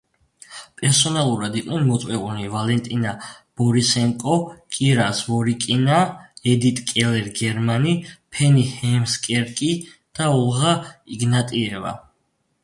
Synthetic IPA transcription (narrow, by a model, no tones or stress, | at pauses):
pʼɛɾsɔnalˠuɾad̪iqʼnɛnmɔt̪sʼwɛunivalɛnt̪ʼinab̥ɔɾisɛŋkʼɔkʼiɾasvɔɾikʼinaɛd̪it̪ʼkʼɛlɛɾɡɛɾmanipʰɛnihɛmskʼɛɾkʼi | d̪̥aulˠʁaiɡnat̪ʼiɛva̰